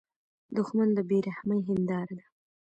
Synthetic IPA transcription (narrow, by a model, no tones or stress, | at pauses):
d̪ʊxmand̪əbeɾahməjɦɪnd̪ɑɾad̪a